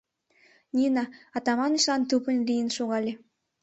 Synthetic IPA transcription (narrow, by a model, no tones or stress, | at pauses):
nʲinɑɑt̪ɑmɑniʃlɑnt̪upə̆nlʲijənʃoɣɑlʲe